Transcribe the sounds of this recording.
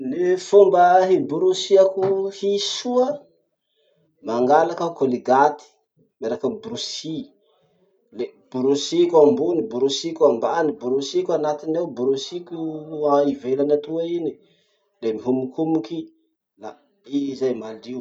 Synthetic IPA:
lefombəɦibuɾusiakuhisuə | maŋɡalakəkoliɡat̪i̥ | meɾakəbɾusi | leb̥uɾusikʲambunibuɾusikʲambanibuɾusikʲanat̪ineubuɾusikʲuaivelanat̪uaini | lemiɦumukumuki | la | iizajmaliw

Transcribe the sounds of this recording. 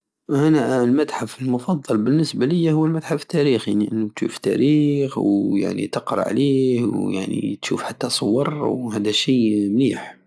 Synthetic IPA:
hænælmæt̪ħafəlmʊfɑd̪ˤːɑlbənːəsbæləjːæhʊwːəlmæt̪ħaft̪ːæɾixjaʕniʔənːut̪ʃuft̪æ̰ɾixwja̰ʕnḭt̪əqɾˤɑ̰ʕlihwjaʕnḭt̪ʃṵfħat̪ːæsˤowːɑɾˤwhæd̪æʃijmliħ

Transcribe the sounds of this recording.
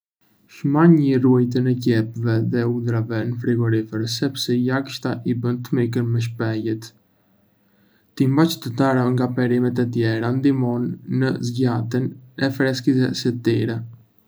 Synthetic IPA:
ʃmaɲəruajt̪̬ənɛɟɛpvɛðɛud̪ɾavɛnəfɾiɡɔɾifəɾsɛpsɛjakʃt̪aʔibənt̪əmik̬ənmɛʃ̬pɛjɛt̪ | t̪imbat͡ʃt̪əd̪aɾaŋɡapɛɾimɛt̪ɛt̪̬jɛɾand̪imɔnːəzɟat̪inɛfɾɛskisɛsɛt̪iɾɛ

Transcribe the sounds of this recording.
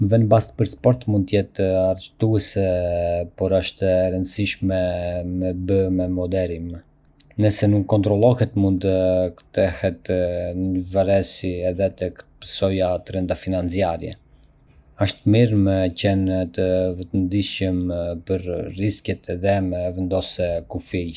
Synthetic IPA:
vɛnəbast̪̚pəɾspɔɾt̪mund̪t̪əjɛt̪əaɾət̪uɛsɛpɔɾəʃt̪ɛɾənd̪siʃmɛmɛbəmɛmɔd̪ɛɾim | nəsɛnuŋkːɔnt̪ɾɔlˠɔhɛt̪munt̪əkt̪ɛhɛt̪nəɲəvaɾɛsiɛðɛt̪ɛkt̪ə̥pə̥sɔjat̪ɾɛnd̪afinant͡siaɾjɛ̰ | əʃt̪əmiɾmɛcɛnt̪əvət̪ənd̪iʃəmpəɾriskjɛt̪ɛðɛmɛvɛnd̪ɔsɛkufi

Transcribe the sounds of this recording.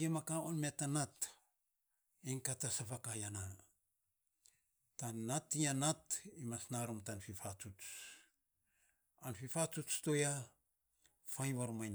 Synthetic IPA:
emakaonme̞tːanat | iŋkatasapakajana | tanatːianatimasnaɾumtanfifatu | anfifat͡ʃut͡ʃtoja | fajβaɾumajn

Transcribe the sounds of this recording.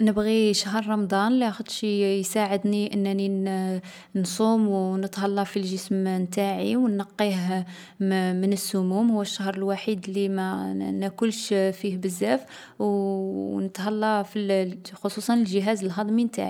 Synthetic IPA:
nəbɣiʃaɦɾˤːɑmd̪ˤɑnliæxəd̪ˤʃjsaʕəd̪niʔənːæni | nsˤumwnət̪hɑlːɑfilʒəsmnt̪aʕiwnːɑqːiɦ | mənəsːʊmumhʊwːəʃːahɾˤəlwaħid̪limænækʊlʃfihbəzːæf | w | nət̪hɑlːɑfilxosusˤɑnəlʒəɦæzəlɦɑd̪ˤmint̪a̰ʕi

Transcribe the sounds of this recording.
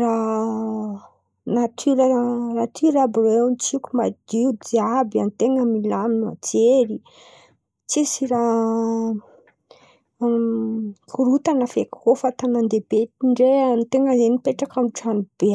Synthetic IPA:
ra | nat̪ʰyɾərat̪ʰiɾabirent͡sikʲumad̪iud̪iabiant̪eŋəmilaminua̰t͡seɾi | t͡sisiɾa | kʰuɾut̪anəfekofat̪anand̪ebet̪iɳɖ͡ʐeanit̪eŋəzenipeʈ͡ʂakamʈ͡ʂanib̥e

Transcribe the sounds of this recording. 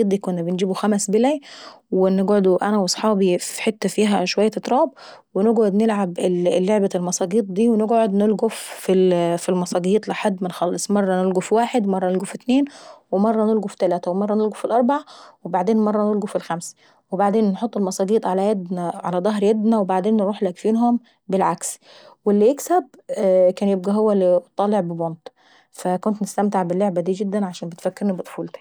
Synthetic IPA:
it̪d̪iːkonːæbenɡiːbuxæmæsbelæ | weneɡʕod̪ʔænæwɑsˤħɑːbifi̥ħet̪ːæfiːɦæʃowæjːæt̪t̪ˤɾˤɑːb̚ | weneɡʕod̪nelʕabʔelːeʕbælmɑsˤɑːɡiːt̪̚ˤd̪iːweneɡʕod̪nelɡofːilfilmɑsˤɑːɡiːt̪ˤlɪħad̪ːmɪnxɑlːesˤmɑrˤːɑnelɡofiwaːħed̪wmɑrˤːɑnelɡofit̪neːnwemɑrˤːɑnelɡufi̥t̪ælæːt̪æwemɑrˤːɑnelɡofilʔɑɾˤbaʕawebaʕd̪eːnmɑrˤːɑnelɡufilxæmsæ̥ | webaʕd̪eːnːħot̪ˤːelmɑsˤɑːɡiːt̪ˤʕalæjæd̪næʕa̰læd̪ˤɑɦɾjæd̪næwebaʕd̪eːnːɾˤuːħlækfiːnɦom | bɪlʕaks | welːiʔeksæbkæːnjeb̚ɡæɦowːælːit̪ˤːɑːleʕbebont̪ | fækont̪nɪst̪æmt̪eʕbɪlːoʕbæd̪iːɡɪd̪ːænʕaʃæːnmbet̪fækːeɾnibet̪ˤfuːlt̪i̥

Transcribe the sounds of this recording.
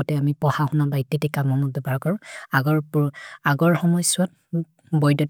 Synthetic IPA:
ɔtɛamipɔhaxunabajtːitikamɔnɔdebaɹkɔɹʊ̃aɡɔɹpuaɡɔɹxɔmɔjsʊat̚ | bɔjdɔ

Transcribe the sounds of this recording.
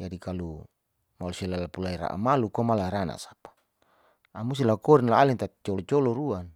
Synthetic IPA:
d͡ʒadikalu | malusalalapulaiɾa̰ʔa̰malukomalaɾana̰sḁpḁ | amust̪ilakɔɾinlaaliŋt̪at̪t͡ʃɔlɔt͡ʃɔlɔɾuan

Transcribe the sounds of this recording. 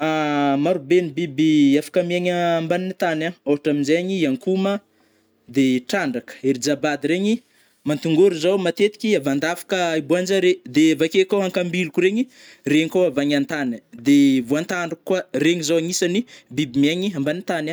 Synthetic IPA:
amaɾubenibibiafḁkəmieɲəːmbaninit̪anaoɦaʈ͡ʂaminzeɲiiaŋkumə | d̪eʈ͡ʂaɳɖ͡ʐakə̥eɾid͡ʒabad̪iɾeɲi | mant̪uŋɡoɾizawmat̪et̪i̥kʲiavand̪afḁkəibuand͡ʒaɾed̪evakekawɦaŋkambilukuɾeɲi | reɲkowavaɲant̪anid̪evoant̪aɳɖ͡ʐukkːwareɲizawaŋisanibibimaɲiambanit̪ana

